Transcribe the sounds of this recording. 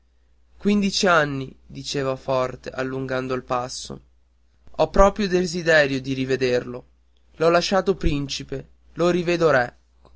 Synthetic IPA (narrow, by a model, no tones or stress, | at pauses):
kwind̪it͡ʃianːid̪it͡ʃeːvafɔrt̪eʔalːuŋɡand̪oilpasːo̰ | ɔpːɾɔːpɾjod̪ezid̪ɛːɾjod̪iɾived̪erlo | lɔlaʃːaːt̪opɾint͡ʃipe | loɾiveːd̪oɾɛ